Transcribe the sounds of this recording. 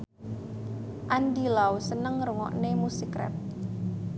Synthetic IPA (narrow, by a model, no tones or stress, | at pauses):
ʔand̪ilawusənəŋɾuŋɔ̰ʔnemusikɾɛ̰p̚